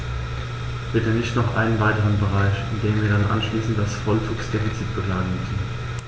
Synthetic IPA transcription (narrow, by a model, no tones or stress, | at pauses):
b̥ɪtənɪçtnɔχʔa̰ɪnənvaɪtəʁ̞ənbəʁaɪçɪndeːmviːɐdanʔa̰nʃliːsn̩t̚d̥asfɔlt͡suːksd̥efit͡sitb̥əkl̥aːɡəŋ̩mʏsn̩